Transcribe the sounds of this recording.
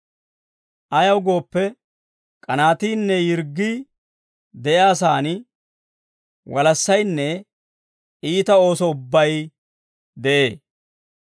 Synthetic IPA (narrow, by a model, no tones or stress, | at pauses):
ʔɐjɐwɡo̞ːpːɛ | kʼɐnaːt̪iːnːɛjɪɾɡːiː | d̪ɛjaːs̬aːnɪ | wɐlɐsːɐjnːɛ | ʔiːt̪ɐo̞ːsɔʊbːɐj | d̪ɛʔeː